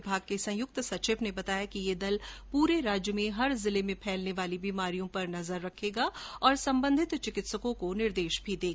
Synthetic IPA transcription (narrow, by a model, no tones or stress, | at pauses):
bʱaːɡ̚kesɐ̃jʊk̚t̪sɐt͡ʃʃɪbnebɐt̪aːjakijed̪ɐlpuːɾeɾaːd͡ʒjəmẽɦɐɾzɪlemẽpʰɛːlneʋaːlibiːmaːɾijõpɐɾnɐzəɾːɐkʰːeːɡaɔːɾsɐ̃mbə̃nd̪ʱɪt̪t͡ʃɪkɪt̪səkõkonɪɾd̪eːʃbʱid̪eːɡ